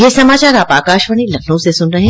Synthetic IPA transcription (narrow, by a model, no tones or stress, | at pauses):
jesɐmaːt͡ʃaːɾaːpaːkaːʃʋəɽ̃ilɐkʰõsesʊnɾɐɦẽ